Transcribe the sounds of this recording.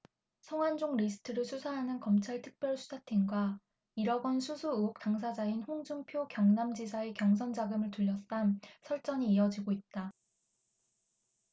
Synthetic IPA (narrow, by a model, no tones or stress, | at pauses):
sʰʌŋwand͡ʑoŋɾisʰɯ̥tʰɯɾɯɭsʰusʰaɦanɯnkʌmt͡ɕʰaɭtʰɯ̥k̚p͈jʌɭsʰu̥sʰatʰenɡwa | iɾʌɡʌnsʰusʰuuok̚t͈aŋsʰad͡ʑainɸoŋd͡ʑuŋpʰjokjʌŋnamd͡ʑisʰae̞kjʌŋs̬ʰʌnd͡ʑaɡɯmɯɭtuʎːʌs͈ansʰʌɭt͡ɕ͈ʌɲiːʌd͡ʑiɡoit̚t͈a